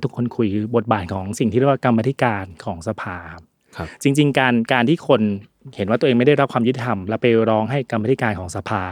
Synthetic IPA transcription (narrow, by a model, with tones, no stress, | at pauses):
t̪ʰu˦˥kʰːo˧nkʰu˧jkʰɯː˧bo˨˩t̪̚baː˨˩t̪̚kʰɔː˩˦ŋsi˨˩ŋt̪iː˥˩ɾwa˧˥˩ka˧ma˧t̪ʰi˦˥kaː˧nkʰɔː˩˦ŋsa˧pʰaː˧kʰa˦˥pʰ | t͡ɕi˧ŋt͡ɕi˧ŋkaː˧nkaː˧nt̪ʰiː˥˩kʰo˧n | he˩˦nwaː˥˩t̪ːeː˧ma˥˩da˥˩jɾa˦˥p̚kʰwaː˧jt̪i˧t̪ʰa˧mlɛː˧˦˥pːa˧jɾɔː˦˥ŋɦa˥˩jka˧mːa˧t̪ʰi˦˥kaː˧nkʰɔː˩˦ŋsa˧pʰaː˧